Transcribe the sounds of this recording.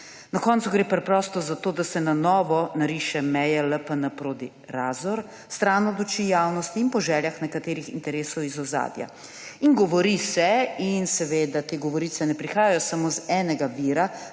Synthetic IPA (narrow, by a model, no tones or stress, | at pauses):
nakɔːnt̪suɡɾeːpɾɛpɾɔːst̪ɔzat̪oːd̪asɛnanɔːʋɔnaɾiːʃɛmɛjɛləpənapɾoːd̪i | ɾaːzɔɾ | st̪ɾaːnɔd̪ut͡ʃijaːwnɔst̪iːnpɔʒɛːljaxnɛkat̪eːɾixḭnt̪ɛɾeːsɔwizɔza̰ːd̪ja̰ | iŋɡɔʋɔɾisɛinsɛʋeːd̪at̪eːɡɔʋɔɾiːt̪sɛnɛpɾixaːjajɔsamozɛːnɛɡaʋiɾa